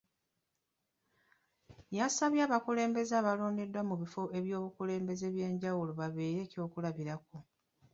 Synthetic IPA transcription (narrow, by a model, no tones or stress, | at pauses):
jasaβjaːβakule̞ːmbe̞zaːβalo̞ːnde̞dwamuβifo̞e̞βjo̞ːβukule̞ːmbe̞ze̞βje̞ːɲɟawuloβaβeːɾe̞ːco̞ːkulaβiɾako